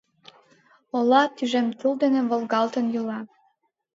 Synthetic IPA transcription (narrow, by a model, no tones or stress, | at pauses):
olɑt̪yʒemt̪uld̪enĕβolɣɑlt̪ənjulɑ